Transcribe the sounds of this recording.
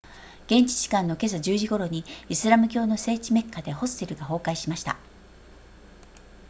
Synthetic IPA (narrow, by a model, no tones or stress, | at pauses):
ɡ̥ẽ̞ɲ̟t͡ɕi̥t͡ɕi̥kãnːo̞ke̞sad͡ʑɨːʑiɡo̞ɾo̞ɲ̟iisɨɾamɯ̟k̬ʲo̞ːno̞se̞ːt͡ɕime̞kʰːad̪e̞ho̞sɨ̥t̪e̞ɾɯ̟ɡaɦo̞ːkaiɕimaɕi̥t̪a̰